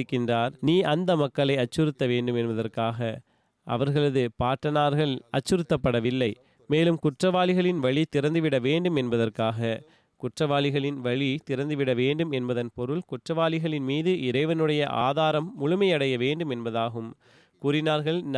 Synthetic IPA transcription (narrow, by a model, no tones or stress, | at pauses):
kːɪndraːɾniːʔɐnd̪ɐmɐkːɐɭɐɪɐt͡ʃːɯɾɯt̪ːɐʋeːɳɖɯmɛnbɐðɐrkaːɣɐ | ʔɐ̰ʋɐɾɣɐɭɐðɯpaːʈːɐnaːɾɣɐɭɐt͡ʃːɯɾɯt̪ːɐpːɐɽɐʋɪlːɐɪ | meːlɯmkʊʈrɐʋaːlɪɣɐɭɪnʋɐɭit̪ɪɾɐnd̪ɯʋɪɽɐʋeːɳɖɯmɛnbɐðɐrkaːɣɐ | kʊʈrɐʋaːlɪɣɐɭɪnʋɐɭit̪ɪɾɐnd̪ɯʋɪɽɐʋeːɳɖɯmɛnbɐðɐnpɔɾɯɭkʊʈrɐʋaːlɪɣɐɭɪnmiːðɯʔɪɾɐɪʋɐnɯɽɐjɐʔa̰ːðaːɾɐmːʊɻʊmɐɪɐɽɐjɐʋeːɳɖɯmɛnbɐðaːɣɯm | kuːɾɪnaːɾɣɐɭn